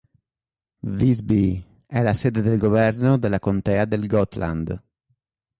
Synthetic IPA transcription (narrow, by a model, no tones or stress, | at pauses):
vizbi | ɛlaseːd̪ed̪elɡovɛrnod̪elːakont̪ɛːad̪elɡɔt̪la̰nd̪